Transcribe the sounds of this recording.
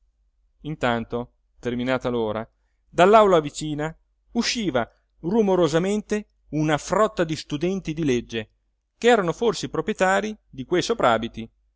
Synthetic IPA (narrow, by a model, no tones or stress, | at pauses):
int̪ant̪o | t̪erminaːt̪aloːɾa̰ | d̪alːawlavit͡ʃiːna | uʃːiːva | rumoɾozament̪e | unafrɔt̪ːad̪ist̪ud̪ɛnt̪id̪iled͡ʒːe | keɛːɾanoforsepɾopɾjet̪aːɾid̪ikwejsopɾaːbit̪i